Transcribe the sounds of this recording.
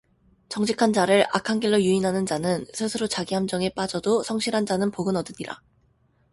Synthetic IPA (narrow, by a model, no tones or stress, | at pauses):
t͡ɕʌŋɕʰikʰand͡ʑaɾɯɾa̰kʰaŋɡiɭːojuinɦanɯnd͡ʑanɯnsʰɯsʰɯɾot͡ɕaɡiɦamd͡ʑʌŋe̞p͈ad͡ʑʌdosʰʌŋɕʰiɾɦand͡ʑanɯnpoɡɯnʌdɯɲiɾa̰